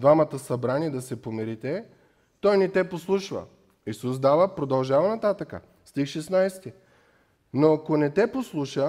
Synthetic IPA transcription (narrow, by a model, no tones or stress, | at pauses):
d̪vamət̪əsɐbɾaniɛd̪ɐsɛpomɛɾit̪ɛ | t̪ɔjnɛt̪ɛposlˠuʃvə̰ | isusd̪avəpɾod̪ɐlˠʒavənɐt̪at̪əkə̰ | st̪ixʃɛsnajst̪i | noakonɛt̪ɛposlˠuʃə